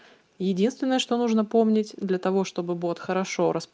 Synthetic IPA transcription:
jɪdʲinst̪vʲɪnːəjəʂt̪o̞nuʐnəpo̞mnʲɪtʲd̪lʲɐt̪ɐvo̞ʂt̪o̞bɨbot̪xəɾɐʂo̞ɾəsp

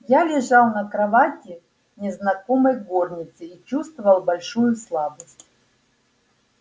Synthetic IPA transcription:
jalʲɪʐalˠnɐkɾɐvatʲɪ | nʲɪznɐkomɐjɡornʲɪt̪sɨit͡ɕust̪vəvɐlˠbɐlʲʂujʊslˠabəsʲtʲ

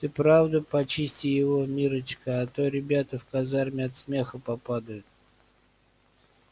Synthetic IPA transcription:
t̪ɨpɾavd̪əpɐt͡ɕisʲtʲɪjɪvo̞mʲiɾət͡ɕkəɐt̪oɾʲɪbʲat̪əfkɐzarmʲɪɐt̪smʲe̞xəpɐpad̪əjʊt̪̚

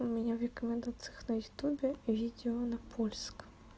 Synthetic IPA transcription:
mʲɛnʲavɾʲɛkɔmʲɛnd̪at̪sɨjɐxnɐjʊt̪ubʲɛvʲid̪ʲɛɔnɐpʰɔlʲsk

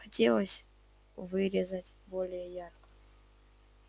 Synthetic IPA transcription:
xatʲɛlˠasʲ | vɨɾɛzatʲ | bɔlɛjɛjarkḁ

